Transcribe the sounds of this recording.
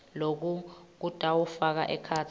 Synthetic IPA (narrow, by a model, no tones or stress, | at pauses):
lok̬uk̬ud̥ʱawufak̬a̰ʔɛkʰatʰ